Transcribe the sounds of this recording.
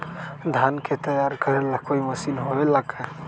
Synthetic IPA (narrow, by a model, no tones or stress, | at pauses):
d̪ʱankʰet̪əjaɾkəɾɛlakoiməsinɦoelaɡa